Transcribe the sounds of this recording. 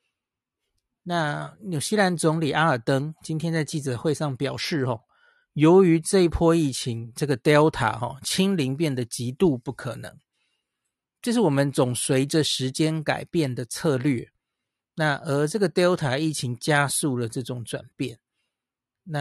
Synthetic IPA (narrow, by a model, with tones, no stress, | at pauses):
na˥˨nju˨˩ɕi˥la˧˥nt͡sʊ˧˦ŋli˨˩ʔa˥ə˞˨˩t̪ə˦ŋt͡ɕi˥nt̪ʰjɛ˥nt͡sa˥˧ɪt͡ɕi˥˩t͡sɤ˨˩xwe˥˧ɪʂɑ˥˩ŋpjɑ˨˩ʊʂɻ̩˥˩xɔ̰˨˩ | jo˧˦ʊy˧˦ʈ͡ʂɤ˥˧i˥pʰwɔ˥˧i˥˩t͡ɕʰi˧˦ŋʈ͡ʂɤ˥˩ɡə˩t̪jɑ˥ʊt̪ʰa̰˨˩˦xɔ̰˨˩t͡ɕʰi˥ŋli˧˥ŋp̬jɛ˥˩nd̪ə˨t͡ɕi˧˥t̪u˥˧pu˥˩kʰə˨˩nɤ̰˧˦ŋ | ʈ͡ʂɤ˥˧ʂ̬ɻ̩˥˩wɔ˨˩mə˦nt͡sʊ˨˩ŋswe˧˥ɪʈ͡ʂə˨ʂɻ̩˧˦˥t͡ɕjɛ˥nka̰˨˩ɪpjɛ˥˩nd̪ə˩t͡sʰɤ˥˧lɥɛ˥˩ | na˥˩ʔə˧˥ʈ͡ʂɤ˥˩ɡə˩t̪jɑ˥ʊt̪ʰa˨˥i˥˩t͡ɕʰi˨˦ŋt͡ɕja˥su˥˩lə˩ʈ͡ʂɤ˥˩ʈ͡ʂʊ˨˩ŋt͡swa̰˨˩npjɛ˥˩n | na˥˨